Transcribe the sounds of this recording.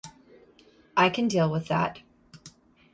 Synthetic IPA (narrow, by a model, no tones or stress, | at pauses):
ʔaɪkʰɨ̃ndilˠwəðæ̰t̚